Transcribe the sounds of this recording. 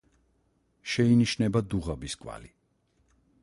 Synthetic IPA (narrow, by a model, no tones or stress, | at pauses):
ʃɛiniʃnɛbad̪uʁabiskʼwa̰li